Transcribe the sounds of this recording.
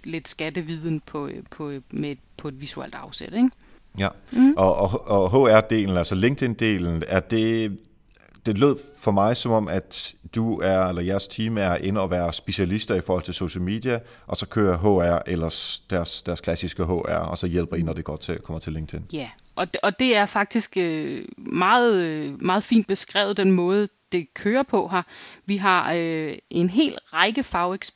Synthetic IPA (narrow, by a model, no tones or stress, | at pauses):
le̝d̥sɡ̥æd̥əʋið̰ˠn̩pʰɒpʰɒme̥ | pʰɒ̽e̝d̥ʋisuḛl̰d̥ɑ̈ʊsed̥eŋ | jæʔɒʔɒɒɦo̰æɐ̰d̥e̝̰ːln̩ælsɐle̝ŋɡ̚d̥ʰe̝nd̥e̝̰ːln̩æɐd̥e̝ | d̥e̝lø̝ð̞̰ˠfɒ̽mɑ̈ɪsɒ̽mɒ̽m̰æd̥d̥uæɐelɐjæɐst͡sʰiːmæɐʔe̝nəɒ̽ʋæːɐsb̥e̝ɕælisd̥ɐifɒːhɒl̰t͡sʰe̝lso̝ɕəl̩mḛːd̥iæ | ʔɒ̽sɒ̽kʰøːɐɦo̰æɐ̰ʔelɐsd̥æɐsd̥æɐskʰlæsisɡ̥əɦo̰ːʔæɐ̰ɒ̽sɒ̽jel̰b̥ɐinɒd̥e̝ɡ̥ɒ̰ːt͡sʰe̝kʰɒ̽m̰ɐt͡sʰe̝lːe̝ŋ̥d̥ʰen | ʔɒ̽ɒ̽d̥e̝æɐfɑ̈ɡ̥̚d̥isɡ̥ømɑ̈ːð̩ˠmɑ̈ːð̞̩ˠfḭːnd̥̚b̥e̝sɡ̥ʁɛ̰ːʊð̩ˠd̥enmɔ̽ːð̞̩ˠəd̥e̝kʰøːɐpʰɒ̽ɦɑʋiɦɑ̈øʔe̝nɦe̝̰ːlʁɑɪɡ̥əfɑ̈ʊeɡ̥s